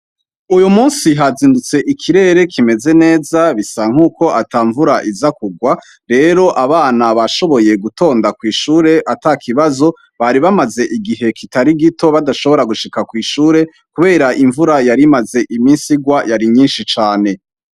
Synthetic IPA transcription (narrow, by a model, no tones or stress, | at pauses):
ujumuːnsiɦaziːndut͡se̞ʔikʰiɾe̞ːɾe̞kʰime̞ze̞ne̞ːzaβisaŋ̥uːko̞ʔataːɱvuɾaʔizakuɡwa | ɾe̞ɾo̞ʔaβaːnaβaʃo̞βo̞je̞ɡutʰo̞ːndakwiːʃuːɾe̞ʔatakʰiβazo̞ | βaɾiβamaze̞ʔiɡiɦe̞kʰitaɾiɡito̞βadaʃo̞βo̞ɾaɡuʃikakwiːʃuːɾe̞ | kuβe̞ːɾaʔiɱvuɾajaɾimaze̞ʔimisiɡwajaɾiɲiːnʃit͡ʃaːne̞